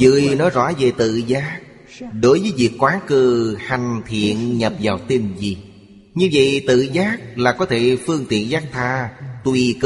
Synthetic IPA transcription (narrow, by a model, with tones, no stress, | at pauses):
zɨ̰˧˨əjnɔ˨˦jzɔ̰˧˥ve˨˩t̪ɨ̰˧˨zaː˦˥k̚ | ɗo˨˦jvəː˨˦jvi˨˩əkːwaː˨˦kɨ˧ha˨˩jŋ̟t̪ʰḭ˧˨ənɲə˨˩p̚vaː˨˩wt̪i˧nzi˨˩ | ɲɨ˧və̰˧˨jt̪ɨ̰˧˨zaː˦˥k̚laː˨˩kɔ˨˦t̪ʰe˧˩fɨ˧əŋt̪ḭ˧˨ənzaː˦˥k̚t̪ʰaː˧t̪wi˨˩k